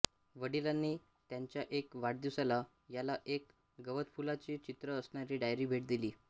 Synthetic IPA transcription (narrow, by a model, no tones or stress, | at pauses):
ʋəɽilanːiː | t̪jaɲt͡ɕjaʔekʋaʈ̚d̪iwsala | jalaʔek | ɡəʋət̪pulat͡ɕiːt͡ɕit̪ɾəːsɳ̃aɾiːɖajɾiːbʱeʈ̚d̪iliː